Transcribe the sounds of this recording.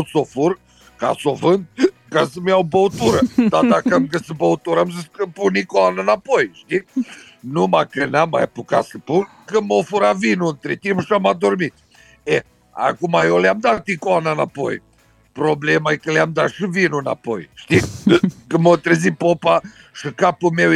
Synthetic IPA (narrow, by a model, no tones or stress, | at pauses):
sofuɾ | ka̰sovɐ̃nt̪̚kasɨmawbowt̪uɾɐd̪at̪akɐmkɐsɨbowt̪uɾɐmzskɨpunikɔnɐnapojʃt̪i | nũmakɐnamɐ̰ɛ̰puka̰sɨpu | kɨmofuɾavinũnt̪ɾit̪imuʃamad̪oɾmi | ɛ | a̰kumajowlamd̪at̪ikoanana̰po̰j | pɾoblemaɛkɨlamd̪aʃɨvinuna̰pojʃt̪ikəmot̪ɾezipopa | ʃɨkapumew